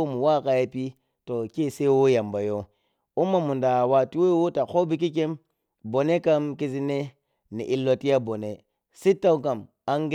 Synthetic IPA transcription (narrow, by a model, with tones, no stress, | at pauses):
mu˨wa˦˨ka˨je˦pi˦ | to˨ke˦˨se˦wo˦ja˨mba˨jo˦ | u˦mːa˨mu˨nda˨wa˨ti˦we˦wo˦ta˨xo˦bi˦k̬i˦ke˦m | bo˨ne˦ka˦mki˦si˦ne˦ | nḭ˨ʔi˨lːo˨˦ti˦ja˦bo˨ne˨ | si˦tːa˦wk̬a˨m | a˦ŋɡ